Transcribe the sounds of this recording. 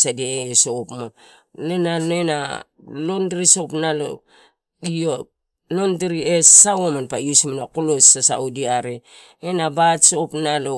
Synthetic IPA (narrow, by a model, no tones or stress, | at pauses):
sadeːsopmanenanoena̰ | londɾiso̞pnalo̰ | io | nondiɾiesawomanpajusmanakolosasa̰udiaɾe | enabatsopnalo